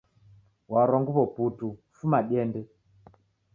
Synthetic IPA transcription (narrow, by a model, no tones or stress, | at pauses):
waɾɔŋɡuβɔputufumaɗɛndɛ